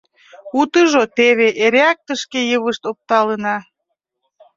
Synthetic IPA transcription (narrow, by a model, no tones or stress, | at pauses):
ut̪əʒot̪eβeʔeɾeɑk̚t̪əʃkejəβəʃt̪op̚t̪ɑlənɑ